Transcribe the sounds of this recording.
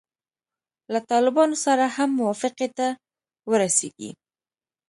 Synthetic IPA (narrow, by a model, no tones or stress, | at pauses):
lat̪ɑlɪbɑnosaɾahamːʊwɑfɪqet̪a | wəɾasḛɡḭ